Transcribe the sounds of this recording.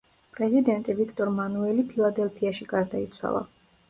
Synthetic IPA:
pʼɾɛzid̪ɛnt̪ʼivikʰt̪ʼɔɾmanuɛlipʰilˠad̪ɛlˠpʰiaʃiɡaɾd̪ait̪sʰwa̰lˠa̰

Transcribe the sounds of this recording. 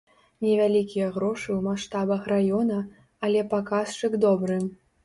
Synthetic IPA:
nʲɛvʲalʲikʲijɐɣɾɔʂɨwmaʂt̪abɐxrajɔnɐː | lʲɛpakast͡ʂɨɡd̪ɔbɾɨm

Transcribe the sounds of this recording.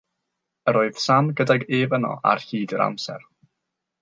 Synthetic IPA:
əɾoːɨð̥samɡədaɡeːvənɔ̰ʔa̰rhiːdəɾa̰msɛ̰r

